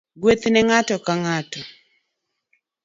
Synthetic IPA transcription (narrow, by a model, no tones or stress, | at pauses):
ɡwet̪nɛŋatɔkaŋatɔ